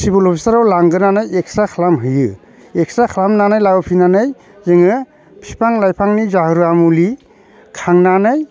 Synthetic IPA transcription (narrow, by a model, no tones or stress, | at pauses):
sibulɔpʰisaɾawlaŋɡɯnanajek̚sakʰalamɦɯjɯ | ek̚sakʰlamnanajlaɡɯpʰinanɯj | zeŋɯ | pʰipʰaŋlajpʰaŋnizahɯɾuamuli | kʰaŋnanaj